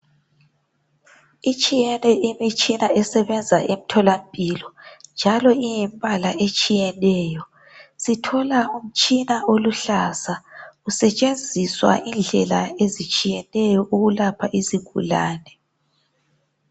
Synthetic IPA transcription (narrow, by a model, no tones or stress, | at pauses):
it͡ʃʼijɛnɛʔimit͡ʃʼinaɛsɛβɛnd͡zʱaʔem̩tʰɔlam̩pʼilɔnd͡ʒʱalɔijimbʱalaet͡ʃʼijɛnɛːjɔ | sitʰɔlaum̩t͡ʃʼinaʔoluɬasausɛt͡ʃʼend͡zʱiswa̰ʔind͡ɮʱɛlaezit͡ʃʼijɛnɛjɔʔuɣulapʰaʔiziɡʱṵla̰ːnɛ